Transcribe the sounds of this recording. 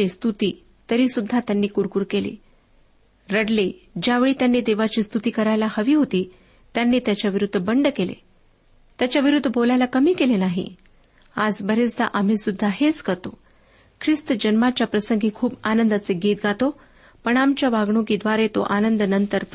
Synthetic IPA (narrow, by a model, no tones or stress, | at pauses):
est̪ut̪iː | t̪əɾiːsud̪ʱːat̪janːiːkuɾkuːɾkelḭː | ɾəɽle | d͡ʑjaʋeɭiːt̪janːiːd̪eʋat͡ɕiːst̪ut̪iːkəɾajlahəʋiːɦot̪iː | t̪janːiːt̪jat͡ɕjaʋiɾud̪ʱːəbəɳɖkelḛ | t̪jat͡ɕjaʋiɾud̪ʱːəbolajlakəmiːkelenaɦḭ | ad͡zbəɾet͡sd̪a̰ʔam̤iːsud̪ʱːaɦet͡skəɾt̪o | kʰɾist̪əd͡ʑənmat͡ɕjapɾəsəŋɡʱiːkʰuːbanənd̪at͡seɡiːt̪ɡʱat̪o | pəɳamt͡ɕjaʋaɡɳokiːd̪ʋaɾet̪o̰ʔanənd̪nənt̪əɾp